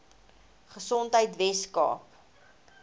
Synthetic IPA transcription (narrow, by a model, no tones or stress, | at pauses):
χəsɔntɦəjtvɛskɑ̰ːp